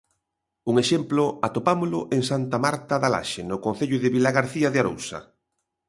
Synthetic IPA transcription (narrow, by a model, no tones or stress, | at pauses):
uŋeʃemplʊat̪opamʊlʊʔeŋsant̪amaɾt̪aðala̰ʃenokon̟θeʎʊðɪβilaɣaɾθiaðeaɾo̰wsɐ̰